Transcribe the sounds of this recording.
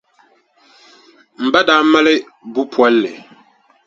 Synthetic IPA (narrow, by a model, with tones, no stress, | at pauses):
m̩˨ba˦daː˨˦ma˦lɪ˦ | bu˦pʰwa˦lːɪ˨